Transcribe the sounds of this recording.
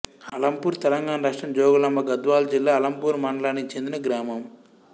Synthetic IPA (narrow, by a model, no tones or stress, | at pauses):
ɐlɐmpuːɾt̪ɛlɐŋɡaːnɐɾɐʂʈɾɐmd͡ʒɔːɡɐlɐmbɐɡɐd̪ʋaːld͡ʒilːaːɐlɐmpuːɾmɐɳɖlaːnːit͡ʃe̞nd̪inɐɡɾaːmɐm